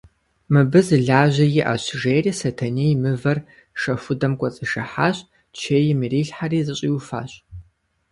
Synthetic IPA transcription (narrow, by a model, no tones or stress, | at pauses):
mɨbɨzɨɮaːʑɐjɪʔɐ̰ɕʐeːriːsɐtʰɐniːjmɨvɐr | ʃɐfʷʊdɐmkʷʼɔt͡sʼɨʃɐħaːɕʼ | t͡ʃʰeːjɪmiriːɬħariːzɨɕʼiːwʊfa̰ːɕʼ